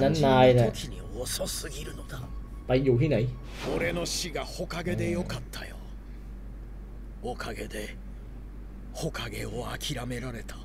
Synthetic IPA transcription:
nanːajnekʰʲiɲi | ososɨɡʲiɾɯ̟nod̪a | paijoɦinaj | oɾe̞no̞ɕiɡaho̞kaɡe̞d̪e̞jo̞kat̪ʰːajo̰ | okʰaɡe̞d̪e̞ | ho̞kaɡe̞oakʲiɾame̞ɾaɾe̞t̪ʰḁ

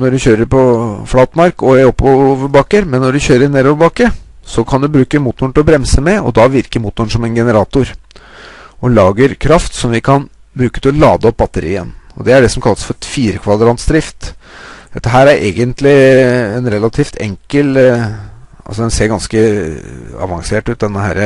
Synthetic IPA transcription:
nɔɖʉçøːɾəɾpʰɔflɑːt̪mɑɾkɔæɾɔpʰːoʋəɾbɑkːəɾmɛnːɔɖʉçøːɾəɾneːɾoʋəbɑkːə | sɔkʰɑnd̪ʉbɾʉːkəmuːt̪nʊəɳt̪ɪlɔbɾɛmsəmɛɔ̰d̪ɑʋɪɾkəmuːt̪nʊnʂɔmɛnɡɛnəɾɑːt̪ʊɾ | ɔlɑːɡəɾkʰɾɑft̪sɔmʋɪkʰɑn | bɾʉːkət̪ʰɪlɔlɑːd̪əɔp̚ːbɑt̪ːəɾḭːə̰nɔ̰d̪ɛæɖɛsɔmkʰɑlːəsfɔɾfiːɾəkʰʋɑd̪ɾɑːnt̪sd̪ɾɪft̪d̪ɛt̪ːəɦæːɾæɾʔḛːɡənt̪lɪɛnɾɛlɑt̪ʰift̪ʰɛ̰ŋkəl | ɑ̰lsɔd̪ɛnseːɾɡɑnskə | ɑ̰ʋɑ̰ŋseːʈʉːt̪̚d̪ɛnːəhæ̰ːɾə

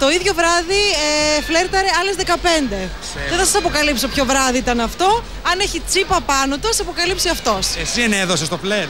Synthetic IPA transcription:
t̪o̞iðʝo̞vɾɐðiefle̞ɾt̪ɐɾeɐlezðe̞kɐpe̞nd̪e̞ | ðeθɐsɐsɐpo̞kɐlipsopço̞vɾɐðiit̪ɐnɐft̪o̞ | ɐneçit͡sipɐpɐnot̪uɐsɐpo̞kɐlipsiɐft̪o̞sesieneðosest̪ople

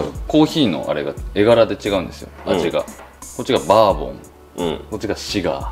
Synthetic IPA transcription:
ko̞ːçiːno̞̰ʔa̰ɾe̞ɡae̞ɡaɾad̪e̞t͡ɕiɡaɯ̟̃nd̪e̞sɨjo̞̰ad͡ʑiɡa̰ko̞t͡ɕːiɡabaːbõ̞̰ŋ̃ | ko̞t͡ɕːiɡaɕiɡa̰

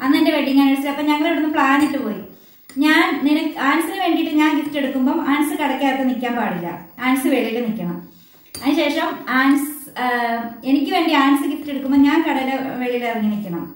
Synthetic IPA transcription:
ɐnːendeʋeɖiŋːaːniɽut͡ɕːiɐpːoːmɲɐŋːɐɭoɽunːɨpɭaːnetːɨpo̞ːji | ɲaːnninɐaːnɐsːinɨʋe̞ːɳɖijiʈːɨɲaːnkitːe̞ɽukːumbo̞ːʔaːnɐsɨkɐɽɐkʲːjaːjit̪ːenikʲːaːmpaːɽilːɐ̰aːnɐsɨʋeɭijilːɨnikʲːɐɳɐm | ɐðɨɕe̞ːʂɐmaːnɐs | e̞nikʲːɨʋe̞ːɳɖiaːnɐsɨkit̪ːtːe̞ɽukːumboːɲaːnkɐɽɐlɐʋeɭijlːeɐðiŋːɐnikʲːɐɳɐm

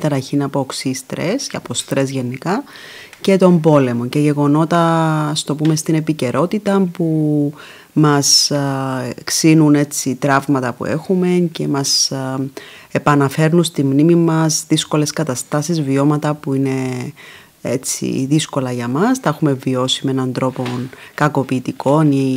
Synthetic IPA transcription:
t̪ɐɾɐçinɐpoksist̪ɾe̞sɐ̰po̞st̪ɾe̞zʝe̞nikɐ | ce̞t̪o̞mbo̞le̞mo̞ɲceʝe̞ɣo̞no̞t̪ɐst̪o̞pume̞st̪ine̞pice̞ɾʔo̞t̪it̪ɐpu | mɐs | ksinune̞t͡sit̪ɾɐvmɐt̪ɐpṵe̞̰xume̞ce̞mɐs | e̞pɐnɐfe̞ɾnunst̪imnimimɐzðisko̞le̞skɐt̪ɐst̪ɐsizvio̞mɐt̪ɐpuine̞ | ḛt͡sḭðisko̞lɐʝɐmɐst̪ɐexume̞vio̞simenɐnd̪ɾo̞po̞nkɐko̞piːt̪ikʰo̞ni

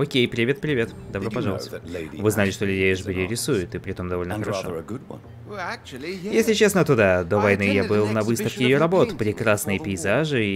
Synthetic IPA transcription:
okʲejpɾʲɪvʲe̞t̪̚pɾʲɪvʲe̞t̪d̪ɐbɾopɐʐɑlˠəst̪vɨznalʲɪʂt̪o̞lʲʉdʲejɪʐbʲɪɾʲɪɾʲɪsujʊt̪ɨpɾʲɪt̪o̞md̪ɐvo̞lʲnəxəɾɐʂoɡʊd̚w̰̃ | jesʲlʲɪt͡ɕe̞snət̪ʊd̪ad̪o̞vɐjnɨjabɨlˠnɐvɨst̪əfkʲɪjɪjɾɐbo̞t̪pɾʲɪkɾasnɨjəpʲɪɪzaʐɨ

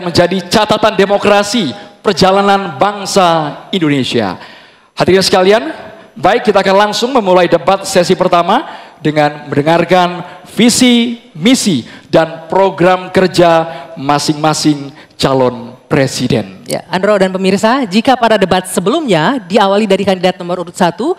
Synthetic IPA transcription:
məɲd͡ʒadit͡ʃat̪at̪andemokɾasipərd͡ʒalananbaŋsaindonesia̰ | hat̪irɲasə̥kalian | baɪkːit̪aːkanlaŋsʊŋməmulaidəbat̪̚sɛs̬ipərt̪amadəŋanməndəŋarkanfisimisidanpɾoɡɾamkərd͡ʒamasɪŋmasɪŋ | t͡ʃalɔnpɾesidɛ̰nja̰andɾodanpəmirsad͡ʒikapadadəbat̪̚səbəlumɲadiawalidaɾikandidat̪̚nɔməɾuɾʊt̪̚sat̪u

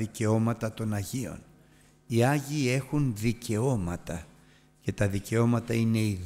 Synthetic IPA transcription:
ice̞o̞mɐt̪ɐt̪o̞nɐʝio̞̰n | iɐʝiːe̞xunðice̞o̞mɐt̪ɐ | ce̞t̪ɐðice̞o̞mɐt̪ɐine̞i

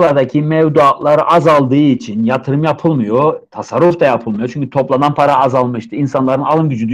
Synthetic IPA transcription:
lˠaɾd̪acʰimɛvd̪uat̪lˠaɾɯʔazalˠd̪ɯːit͡ʃʰinjat̪ʰɯɾɯmjapʰɯlˠmɯjot̪ʰasaɾːuft̪ʰajapʰɯlˠmɯjo̞t͡ʃʰyɲcʰyt̪ʰo̞plˠananpʰaɾaːzalˠmɯʃt̪ʰɯinsanlˠaɾɯnalˠɯmɟyd͡ʒyd̪

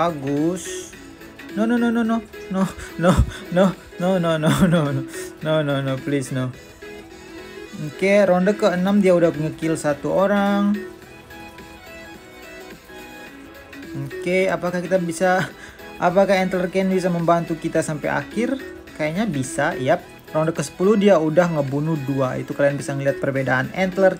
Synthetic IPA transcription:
aɡus | nononononononono | nonononononononoplɪsno | keɾondəkəənamdiaudahpəŋəkɪlsat̪uoɾaŋ | m̩keapakahkit̪abisa | ʔapakahɛnt̪lərkanɲbis̬aməmbant̪ukit̪asampa̰ja̰kɪr | kajaɲabisajap̚ | rɔndəkəsə̥puluhdiaudahŋəbunuhduaḭt̪ukalianbisaŋəliɦat̪̚pərbedaanɛnt̪lər

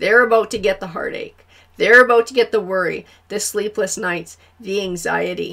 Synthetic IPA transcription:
ðə˞ɨbaʊtʰɨɡɛt̪̚ðəɦɑ̰ɹɾḛɪk | ðə˞ɨbaʊtʰɨɡɛt̪̚ðəwɜ˞ḭ | ðɨslipʰləsnaɪts | ðiæ̃ŋza̰ɪɨɾḭ

